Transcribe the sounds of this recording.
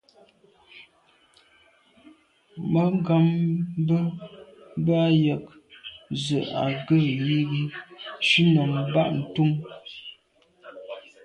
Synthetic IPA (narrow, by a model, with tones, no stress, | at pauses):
mə˦ŋ˦ɡa˦mbə˦ | ba˦jə˨k̚ | zə˨a˨ɡə˦˨ji˦ɣi˦ʃi˦nə˨mba˦ʔn̩˨tu˦m